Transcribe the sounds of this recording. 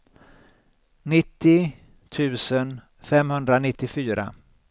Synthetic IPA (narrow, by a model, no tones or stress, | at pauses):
nɪt̪ːɪ | t̪ʰʉ̟ːsən | fɛmhɵnd̪ɾanɪt̪ːɪfyːɾa̰